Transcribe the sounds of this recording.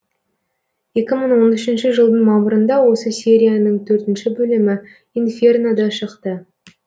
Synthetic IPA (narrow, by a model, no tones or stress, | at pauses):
je̞kʲɪməɴwo̞nʏʃɪnʃɪʒəlˠd̪əɴmɑməɾənd̪ɑwo̞səsʲe̞ɾʲijanəɴt̪ʰɵɾt̪ɪnʃɪbɵlɪmɪ | infʲernad̪ɑʃəqt̪ə